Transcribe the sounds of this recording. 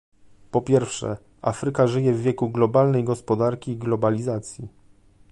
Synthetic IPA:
pɔpʲjɛɾfʂɛ̰ | afɾɘkaʐɘjɛvːjɛkuɡlɔbalnɛjɡɔspɔd̪aɾkʲiːɡlɔbalʲizat̪sʲji

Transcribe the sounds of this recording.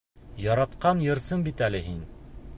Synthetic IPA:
jɒɾɑt̪qɑnjɤ̆ɾsɤmbit̪ælɘɦin

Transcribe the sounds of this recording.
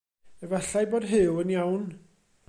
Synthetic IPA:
əvɛɬajboːd̥ɦɪwənjawn

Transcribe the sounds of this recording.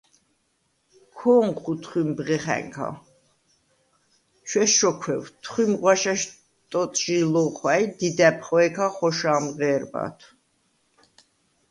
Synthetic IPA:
kʰɔːŋχut̪ʰχwimbʁɛχɛ̰ŋkʰa̰ | t͡ʃʰwɛʃɔkʰwɛwt̪ʰχwimʁwaʃaʃ | t̪ʼɔt̪ʼʒilɔχwajd̪id̪ɛpʰχɔɛkʰaχɔʃaːmʁɛːɾba̰t̪ʰ

